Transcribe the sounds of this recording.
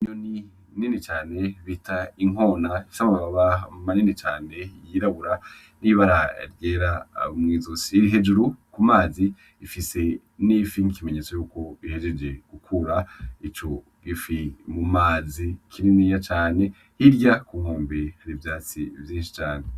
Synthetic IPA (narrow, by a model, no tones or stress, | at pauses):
iɲoni | ninit͡ʃaːne̞βitʰaiŋo̞ːnasamaβaβaβamaninit͡ʃaːne̞jiɾaβuɾa | niβaɾaɾɟeːɾamŋiːzusiːɾiɦe̞d͡ʒuɾukumaːzi | ifise̞ | nifiŋikimeɲet͡so̞juːko̞ihe̞d͡ʒed͡ʒe̞ɡ̥ukʰuɾait͡ʃo̞ | ɡifimumaːzikʰiɾinijat͡ʃaːne̞ | hiɾɟakuŋoːmbihaɾivjaːt͡sivjiːnʃi̥t͡ʃaːne